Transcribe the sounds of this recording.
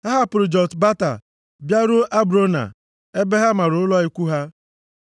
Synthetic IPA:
ha˦ɦa˦pʊ˨ɾʊ˨d͡ʒɔ˨tba˦ta̰˨ | bja˦ɾʊ˦ʔa˦bɾo˦na̰˨ | e˦be˦ɦa˦ma˨ɾʊ˨ʊ˦lɔ˦i˦kʷu˦ɦa˦

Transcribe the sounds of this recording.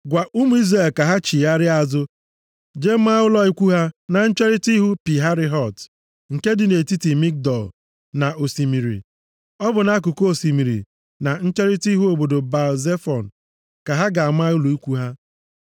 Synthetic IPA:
ɡʷa˨ʔu˦mu˨˦i˦zɾa˨lka˨ɦa˦t͡ʃi˨a˦ɾɪ˦a˨zʊ˦ | d͡ʒe˦ma˦ʊ˦lɔ˦i˦kʷu˦ɦa˦na˨n̩˦t͡ʃe˦ɾi˦ti˦ɦu˦pi˨ɦa˦ɾɪ˦ɦɔ˨t | ŋ̩˨ke˦dɪ˨ne˨ti˦ti˨mi˦k̚dɔ˨l | na˨ʔo˨si˨mi˨ɾḭ˨ | ɔ˦bʊ˨na˦a˦k̬ʊ˨ko˦o˨si˨mi˨ɾḭ˨ | na˨n̩˦t͡ʃe˦ɾi˦ti˦ɦu˦o˨bo˨do˨ba˨ze˦fɔ˨n̩˨ | ka˨ɦa˦ɡa˨a˨ma˦ʊ˦lo˨i˦kʷu˦ɦa˦

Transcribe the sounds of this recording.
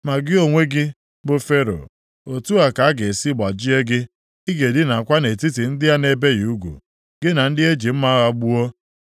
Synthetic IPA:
ma˨ɡɪ˦o˨ŋʷe˦ɡɪ˦ | bʊ˨fe˦ɾo̰˨ | o˨tu˦a˨ka˨a˦ɡe˨si˦ɡ͡ba˨d͡ʒi˦e˦ɡɪ˦ | i˦ɡe˨dɪ˦na˨kʷa˦ne˨ti˦ti˨n̩˦dɪ˦a˦ne˨be˦ju˦ɡʷṵ˨ | ɡɪ˦na˨n̩˦dɪ˦e˦d͡ʒi˨m̩˦ma˦ɣa˦ɡ͡bu˦o˦

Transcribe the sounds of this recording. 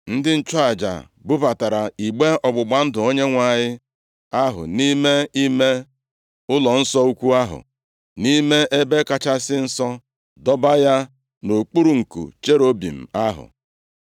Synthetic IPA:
n̩˦dɪ˦n̩˦t͡ʃɔ˦a˨d͡ʒa̰˨ | bʊ˦pa˨ta˨ɾa˨i˨ɡ͡be˦ɔ˨ɡ͡bʊ˨ɡ͡ba˨n̩˦dʊ˨o˦ɲe˦ŋʷa˨ɲɪ˦ | a˦ɦʊ̰˨ni˦me˦i˦me˦ | ʊ˦lɔ˨n̩˦sɔ˦u˦kʷu˦a˦ɦʊ̰˨ | ni˦me˦ʔe˦be˦ka˦t͡ʃa˦sɪ˦n̩˦sɔ˦ | dɔ˦ba˦ja˦ | no˨k͡pu˦ɾu˨ŋ̩˨kṵ˨t͡ʃe˦ɾo˦bḭ˨m̩˨a˦ɦʊ̰˨

